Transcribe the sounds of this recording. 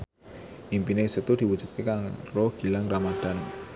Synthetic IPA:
ʔimpinesət̪ud̪̥i̤wud̥ʒ̥ṳt̪̚kekaŋrɔɡ̥ilaŋramad̪̥an

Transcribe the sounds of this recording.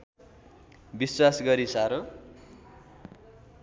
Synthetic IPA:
biswasɡʌɾisaɾʌ̃

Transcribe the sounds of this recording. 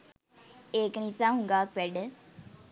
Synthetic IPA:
eknisaɦũŋɡaːk̚peɖ

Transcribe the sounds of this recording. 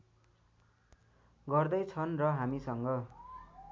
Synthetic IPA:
ɡʌrd̪ʌjt͡sʰʌnrʌɦamisʌŋɡʌ

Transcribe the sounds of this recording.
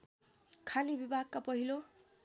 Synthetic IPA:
kʰanibibaɦkːapɔɦilo

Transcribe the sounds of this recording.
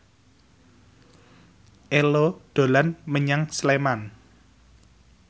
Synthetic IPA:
ʔelod̪̥o̤lanməɲaŋsleman

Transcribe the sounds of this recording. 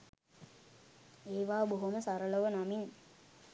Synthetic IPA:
eːʋaːboɦuməsaɾələʋənamin

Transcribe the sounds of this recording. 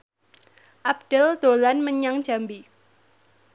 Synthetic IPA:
ʔab̚d̥əld̪̥olanməɲaŋ̥ʒ̥ambi

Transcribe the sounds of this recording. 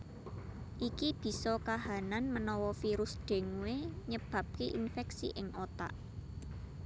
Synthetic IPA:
ʔikib̥i̤sɔkaɦananmənɔwɔfiɾʊsɖ̥e̤ŋuweɲəb̥ä̤p̚kiʔinfɛksḭʔɪŋʔot̪a̰ʔ

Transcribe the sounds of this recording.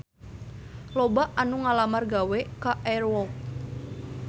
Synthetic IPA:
lobaʔanuŋalamarɡawɛkaʔɛrwɔk̚

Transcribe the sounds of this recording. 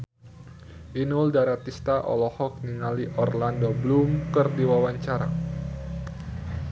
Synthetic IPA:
ʔinuldaɾat̪ist̪aʔɔ̰lɔhɔk̚niŋaliʔɔrlandoblumkərdiwawaɲt͡ʃaɾa̰

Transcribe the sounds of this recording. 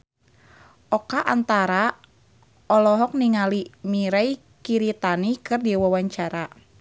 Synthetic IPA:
ʔɔkaʔant̪aɾa | ɔlɔɦɔk̚niŋalimiɾai | kiɾit̪anikɨrdiwawaɲt͡ʃaɾa

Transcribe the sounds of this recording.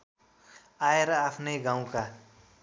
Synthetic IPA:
aeɾʌapʰnʌjɡãw̃ka

